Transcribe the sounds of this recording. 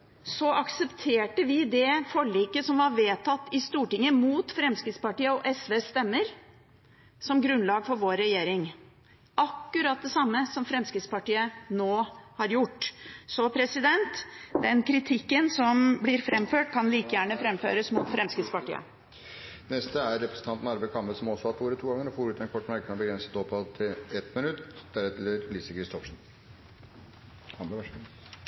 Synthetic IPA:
sɔʔɑksɛpt̪ʰeːʈəʋɪd̪ɛfɔɭːiːkəsɔmʋɑɾʋeːt̪ʰɑt̪ːɪst̪uːʈɪŋːəmuːt̪fɾɛmskɾɪd̪spɑʈiːəɔʔɛsʋeːst̪ɛmːəɾ | sɔmɡɾʉnlɑːɡfɔɾʋoːɾɛjeːɾɪŋ | ʔɑkːʉɾɑt̪̚d̪ɛsɑmːəsɔmfɾɛmskɾɪt̪spɑʈiːənoːhɑɾjʊʈːsɔpʰɾɛsɪd̪ɛnt̪d̪ɛnkʰɾɪt̪ʰɪkːənsɔmblɪɾfɾɛmføːʈ̚kʰɑnliːkəjæːɳəfɾɛmfø̰ːɾəsmʊt̪fɾɛmskɾɪt̪spɑʈḭːə̰ | nɛst̪əæɾɾɛpɾəsən̩t̪ɑnt̪n̩ɑɾbækʰɑmːəlsɔmɔsɔhɑt̪uːɾət̪ʰuːɡɑŋəɾɔfoːɾʉːt̪ɛnkʰɔʈːmæɾkənɔbəɡɾɛnsə̥t̪ɔpɑt̪ʰɪlɛt̪mɪnʉt̪d̪̥æɾɛt̪ʰləɾliːsəkʰɾɪst̪ɔfʂn̩

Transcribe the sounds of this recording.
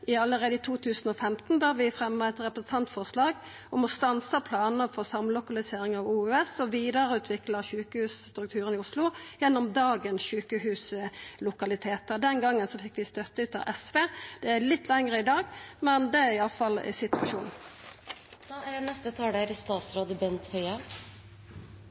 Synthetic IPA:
ʔɪɑlːəʁeːd̪əɪt̪ʰuːt̪ʰʉːsn̩ɔfɛmt̪n̩d̪ɑːɾʋɪfʁɛmːəɛt̪ʁɛpɾəsn̩t̪ʰɑnt̪fɔʁʂlɑːɡ | ɔmɔst̪ɑnsɑpʰlɑːnəfɔʁsɑmlʊkɑlɪseːɾɪŋɑʋuːʉɛsɔʋiːd̪əɾəʉːt̪ʰʋɪkləçʉːkəhʉːsst̪ɾʉk̚t̪ʰʉːɾənɪʊslʊjɛnːʊmd̪ɑːɡənsʃʉːkəhʉːslʊkɑlɪt̪ʰeːt̪əʁd̪ɛnɡɑŋːənsɔfɪkːʋɪst̪œt̪ːəʉːt̪ɑ̰ʔɛsʋeːd̪̥ɛælɪt̪ːlɛŋʁəɪd̪ɑːɡmɛnd̪ɛæɾɪɑləfɑlsɪt̪ʉɑʃuːn | d̪̥ɑːæɾnɛst̪ət̪ʰɑːɖæɾst̪ɑːt̪sɾoːd̪əbɛnt̪hœʏɑ

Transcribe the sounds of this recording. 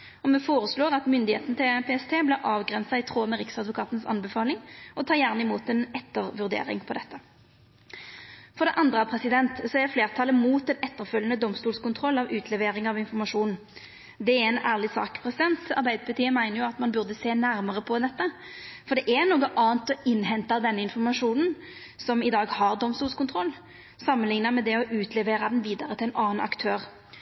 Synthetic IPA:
ɔmɛfoːʁəsloːʁɑt̪mʏnd̪ɪhḛːt̪nət̪ɪlpʰeːɛst̪ʰeːblæʔɑːʋɡʁɛnsɑɪt̪ʰʁoːmɛʁɪksɑd̪ʋʊkʰɑːt̪nsɑ̰nbəfɑːlɪŋɔt̪ʰɑːjæʁnəɪmuːt̪ɛnɛt̪ːəʁʋʉʁd̪ḛːʁɪ̰ŋpʰɔd̪ɛt̪ːə | fɔʁd̪ɛʔɑnd̪ʁəɑpʰʁɛsɪd̪ɛnt̪sɔɛʁfleːʁt̪ʰɑːləmuːt̪ɛnɛt̪ːəʁfœlːənəd̪ɔmst̪uːlskʊnt̪ʰʁɔlːɑʋʉːt̪ʰlɛʋeːɾɪŋɑʋɪnfɔʁmɑʂuːnn̩ | d̪ɛɛɛnæːʁlɪsɑ̰ːkpʰʁɛsɪd̪ɛnt̪ɑ̰ʁbæɪd̪əpʰɑt̪ʰiːəmæɪnəʁjʊɑt̪mɑnbʉʁd̪əseːnæɾməʁəpʰɔd̪ɛt̪ːə | fɔʁd̪ɛʔɛnoːɡəʔɑːənt̪ɔɪnːɦɛnt̪ɑd̪ɛnːəɪnfɔʁmɑʂuːnn̩ | sɔmɪd̪ɑːɡhɑʁd̪ɔmst̪uːlskʊnt̪ʰʁɔlː | sɑmːənlɪŋnɑmɛd̪ɛɔʔʉːt̪ʰlɛʋeːʁɑd̪ɛnʋiːd̪ɑʁət̪ɪɛnʔɑːnɑ̰kt̪ʰøːʁ

